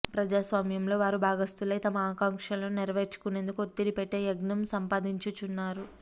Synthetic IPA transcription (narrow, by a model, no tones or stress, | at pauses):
pɾɐd͡ʒaːsʋaːmjɐmlo̞ːʋaːɾubʱaːɡɐst̪ulɐjt̪ɐmɐaːkaːŋkʂɐlɐnniɾɐʋeːɾt͡ʃu̥kune̞ːnd̪ukuot̪ːilipeʈːe̞ːjɐɡnɐmsɐmpaːd̪iɲt͡ʃut͡ʃunːaːɾu